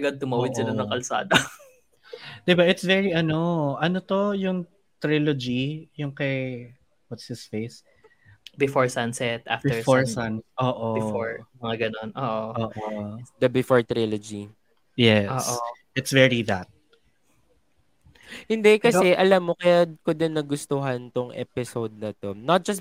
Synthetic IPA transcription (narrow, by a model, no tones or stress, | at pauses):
ɐɡad̪̚t̪ʊmawɐd̪sɪlanɐ̃ŋkɐlsa̰ːd̪ɐ | d̪ɪbaʔɪt̪svɛɹiʔɐno̞ʔɐnot̪o̞jʊŋ | t̪ɾilod͡ʒijʊŋkɐj | wɐt̪shɪsfejs | bɪfɔɹsɐnsɛt̪ʔa̰ftɛfoɹsanʔoːʔooɹmɐŋaɡɐnonʔoːʔooːʔod̪ɐbɪfoɹt̪ɾilod͡ʒi | jɛʔoːsʔʔɪt̪svɛɹiðɐt̪̚ | hɪnd̪ɛkɐsɛʔɐlamːo̞kɐjadkod̪ɪnːɐɡʊst̪oɦɐnt̪oŋʔɛ̰pɪsowd̪̚nɐt̪o̞nɐt̪̚d͡ʒ̥ɐs